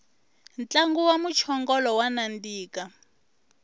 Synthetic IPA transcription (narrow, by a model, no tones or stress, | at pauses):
nt͡ɬaŋɡuwamut͡ʃʰɔŋɡɔlɔwanandiːka